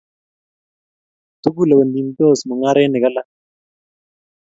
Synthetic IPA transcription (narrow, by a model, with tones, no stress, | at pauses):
t̪u˦ku˦la˨ba˨nd̪i˨nt̪o˦˨smɔ˨ŋa˦ɾɛ˦nɪ˨ka˦la˦